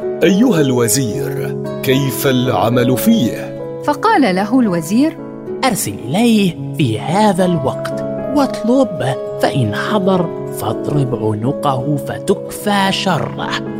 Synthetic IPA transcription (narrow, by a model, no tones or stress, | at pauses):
ʔajːʊhalwaziːɾkajfalʕa̰malfiːh | fɑqɑːlalaɦʊlwaziːɾ | ʔɑɾˤsalʔɪlajh | fiːhaːðalwɑqt̪wɑt̪ˤlʊb | faʔɪnħɑd̪ˤɑɾˤ | fɑd̪ˤɾɪbʕʊnʊqahfat̪ʊkfaːʃɑrˤːɑ̰h